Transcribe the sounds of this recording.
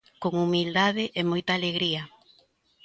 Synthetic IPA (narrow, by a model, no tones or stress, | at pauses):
koŋumild̪aðɪʔemojt̪aːleɣɾiɐ